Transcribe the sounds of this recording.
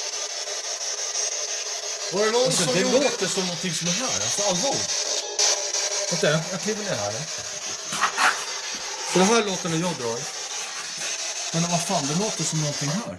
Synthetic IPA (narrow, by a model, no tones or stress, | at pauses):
vaɛnɔsɔɛloːt̪əsɔmnɔnt̪ɪŋsɔmæɦæːɾalsɔalːvɑːlɪ̰ | asɛjajɑkʰliːvəɳɪːɾɦæ̰ːɾa | sɔd̪ɔmɦaæɭoːt̪ənajɑːɡd̪ɾɑːɾ | mɛnvafɑːnd̪ɛloːt̪ːəsɔmnɔnt̪ʰɪŋɦæːɾ